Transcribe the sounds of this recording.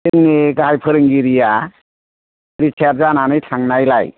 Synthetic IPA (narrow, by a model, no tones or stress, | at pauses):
ɯŋnɯɡaɦajpʰɯɾɯŋɡiɾija | ɾit͡ʃʰaɾ̚zananɯjtʰaŋnajla̰j